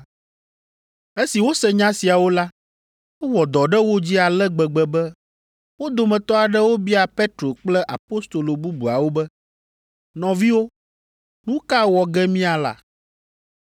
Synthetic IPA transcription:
e˦si˨wo˦sɛ˨ɲã˦si˨a˨wo˦la˦ | wo˦wɔ˨d̪ɔ˨ɖɛ˦wo˦d͡ʑi˦a˨lɛ˦ɡ͡bɛ˨ɡ͡bɛ˨bɛ˦ | wo˦d̪o˨mɛ̃˨t̪ɔ˦a˨ɖɛ˦wo˦bi˦a˨pe˦t̪ɾo˨k͡plɛ˦ʔa˨po˦st̪o˨lo˨bu˦bu˨a˨wo˦bɛ˦ | nɔ̃˨vi˦wo˦ | nũ˦ka˦wɔ˨ɡɛ˦mĩ˦a˨la̰˨

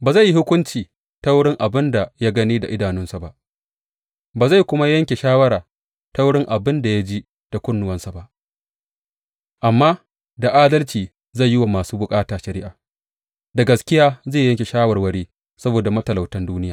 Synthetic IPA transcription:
baː˨za˦˨jːi˦hʊ˦kʷʊ˦nt͡ʃiː˨ | ta˦wɽɪ˦ŋʔa˨bɪ˦nda˨ja˦ɡɐ˦niː˦da˨ʔɪ˦daː˨nʊ˦nsa˨ba˦ʔ | baː˨za˦˨jkʷʊ˦ma˦jɐ˦ŋkʲe˨ʃaː˦wɐ˦ɾaː˨ | ta˦wɽɪ˦ŋʔa˨bɪ˦nda˨ja˦d͡ʒi˦ | d̥a˨kʷʊ˦nːʊ˦wɐ˦nsa˨ba˦ʔ | ʔa˨mːaː˦ | da˨ʔaː˦dɐ˦lt͡ʃiː˨ | zɐ˦˨jːɪ˦wa˨maː˨suː˦bʊ˨kʼaː˦taː˨ʃɐ˨ɾɪ˦ʔaː˨ | da˨ɡɐ˨skʲɪ˦jaː˦zeː˦˨jɐ˦ŋkʲe˨ʃaː˦wɐ˨rwɐ˦ɽeː˦ | sɐ˦boː˨da˨mɐ˦tɐ˨la˨wtɐ˦nduː˦nɪ˦jaː˨

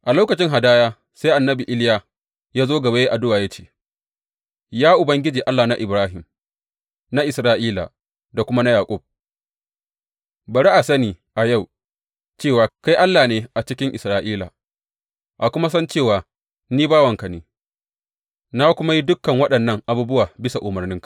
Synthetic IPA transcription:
ʔa˨loː˦kɐ˨t͡ʃɪ˦ŋɦa˨daː˦jaː˦ | sa˦ʔa˨nːɐ˦bi˨ʔɪ˦lja˨ | jaː˦zoː˦ɡɐ˨ba˦je˦ʔa˨dʊ˦waː˨ja˦t͡ʃe̥ː˦˨ | jaː˦ʔʊ˨bɐ˦ŋɡʲɪ˦d͡ʒiː˨ʔa˦lːaː˨na˦ʔɪ˨bɾaː˦ɦɪ˨m | na˦ʔɪ˨sɾaː˨ʔiː˦la̰˨ | da˨kʷʊ˦ma˦na˦jaː˨kʷʼʊ˦˨b̚ | bɐ˨ɾi˦ʔa˨sɐ˦niː˨ | ʔa˨ja˦˨w | t͡ʃeː˦˨waː˨ka˦jʔa˦lːaː˨neː˨ʔa˨t͡ʃɪ˦kʲɪ˦ŋʔɪ˨sɾaː˨ʔiː˦la̰˨ | ʔa˨kʷʊ˦ma˦s̬ɐ˦nt͡ʃeː˦˨waː˨ | niː˦baː˦wɐ˨ŋka˨neː˦ | na˦kʷʊ˦ma˦ji˦dʊ˦kːɐ˨ŋwɐ˦ɗɐ˨nːɐ˦ŋʔa˨buː˦bʊ˦waː˨bɪ˦sa˨ʔʊ˨mɐ˨rnɪ˦ŋkḁ˨

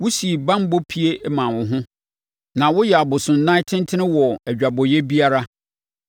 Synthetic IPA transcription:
wʊ˦si˨bã˦m˦bo˦pʰi˦e˦mã˨wʊ̃˨ɦʊ̃˦ | nã˨wʊ˦jɛ˨a˨bʊ˨sʊ̃˨n˦nã˦ɪ˦tʰɪ̃˦n˦tʰɪ̃˦nɪ̃˦wɔ˨æ˨d͡ʑᶣa˨bɔ˨jɛ˦bi˦a˦ɾa˦

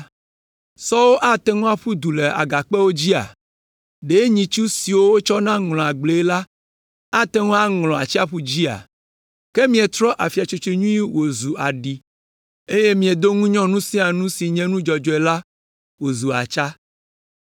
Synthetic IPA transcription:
sɔ˦wo˦ʔa˦t̪e˦ŋɔ̃˦a˨ɸu˦d̪u˨le˨a̰˨ɡa˨k͡pe˦wo˦d͡ʑi˦a̰˨ | ɖe˨˦ɲĩ˨t͡ʃu˦si˨wo˦wo˦t͡ʃɔ˦nã˦ŋlɔ̃˨a˨ɡ͡ble˨˦la˦ | a˦t̪e˦ŋɔ̃˦a˦ŋlɔ̃˨a˨t͡ɕi˦a˦ɸu˦d͡ʑi˦a̰˨ | ke˦mĩ˨e˨t̪ɾɔ˦ʔa˨fi˨a˨t͡ʃo˦t͡ʃe˦ɲũ˦i˦wo˨zu˨ʔa˨ɖi˨ | e˦je˦mĩ˨e˨d̪o˦ŋũ˦ɲɔ̃˦nũ˦sĩ˦a˨nũ˦si˨ɲɛ̃˦nũ˦d͡ʒɔ˨d͡ʒɔ˨ɛ˨la˦ | wo˨zu˨a̰˨t͡ʃa˦

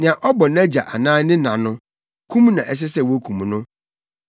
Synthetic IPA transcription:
nɪ̃˨ã˨ʔɔ˦bɔ˨nã˦d͡ʑa˨ʔa˨nãː˦nɪ̃˦nã˨nʊ̃˦ | kʰũ˦m˦nã˨ʔɛ˨s̬ɪ˦sɛ˦˨wo˦kʰũ˨m˨nʊ̃˦

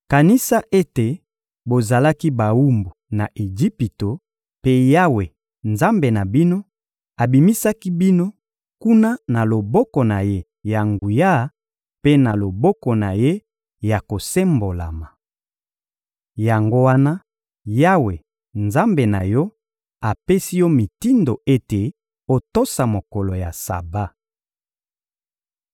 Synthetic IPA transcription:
ka˨ni˦sa˦ʔe˦te˨ | bo˨za˨la˦ki˦ba˨wu˦mbu˨na˨ʔe˨d͡ʒi˦pi˨to˨ | pe˦ja˦we˨ | nza˦mbe˨na˨bi˦no˦ | a˨bi˨mi˦sa˦ki˦bi˦no˦ | ku˦na˦na˨lo˨bɔ˦kɔ˨na˨je˦ | ja˨ŋɡu˨ja˦ | pe˦na˨lo˨bɔ˦kɔ˨na˨je˦ | ja˨ko˨se˦mbo˨la̰˨ma˨ | ja˨ŋɡo˦wa˦na˦ | ja˦we˨ | nza˦mbe˨na˨jɔ˦ | a˨pe˦si˦jɔ˦mi˨ti˦ndo˨e˦te˨ | o˨to˦sa˨mo˨kɔ˨lo˨ja̰˨sa̰˨ba˦

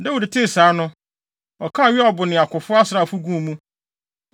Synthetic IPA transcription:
dɛ˦wʊ˨dɪ˨tʰe˦˨saː˨˦nʊ̃˦ | ɔ˨kʰã˦˨ɥɪ˦ɔ˨bʊ˨nɪ̃˨a˨kʷʊ˨fʊ˦a˦sɾa˨fʊ˦ɡũ˦˨˦mũ˦

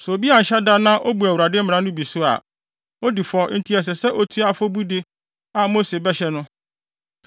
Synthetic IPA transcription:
sʊ˨o˨bi˦a˨ɲ̩˨ɕɛ˦da˦nã˦ʔo˦bu˨æ˨wu˨ɾa˨dɪ˦m̩˦m̃˨ã˦nʊ̃˦bi˨sʊ˦a̰˨ | o˦di˨fɔ˦n̩˦tʰi˦ɛ˨s̬ɛ˨sɛ˦ʔo˦tʰu˦a˨fɔ˦bu˦dɪ˦ | a˨mo˦se˨bɛ˦ɕɛ˦nʊ̃˦

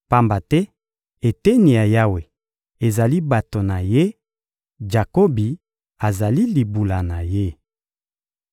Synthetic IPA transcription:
pa˦mba˨tɛ˦ | e˨tɛ˦ni˨a˨ja˦we˨ | e˨za˨li˦ba˨to˨na˨je˦ | d͡ʒa˨ko˦bi˨ | a˨za˨li˦li˨bu˨la˨na˨je˦

